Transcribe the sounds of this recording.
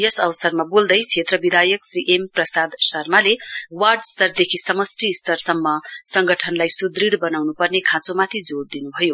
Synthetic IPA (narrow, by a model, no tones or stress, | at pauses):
jʌsʌwsʌrmabold̪ʌjt͡sʰet̪rʌbid̪ʱajʌksriʔemprʌsad̪sʌrmalewarɖst̪ʌrd̪ekʰisʌmʌsʈist̪ʌrsʌmːʌsʌŋɡʌʈʰʌnlajsud̪riɽbʌnawnupʌrnekʰãt͡somat̪ʰid͡zoɽd̪inubʱʌjo